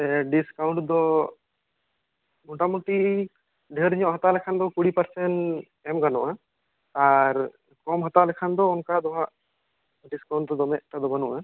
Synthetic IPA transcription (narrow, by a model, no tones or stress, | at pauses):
ɛɖiskauɳʈd̪ɔ | muʈamuʈi | ɖʱeɾɲɔ̃ʔɦɔt̪alɛkʰand̪ɔkuɽipɐɾsɛn | ɛmɡanɔʔa | aɾ | kɔmɦɔt̪alɛkʰand̪ɔunkad̪ɔɦãʔ | ɖiskaũɳʈ̚d̪ɔd̪ɔmɛʔʈad̪ɔbənɔʔa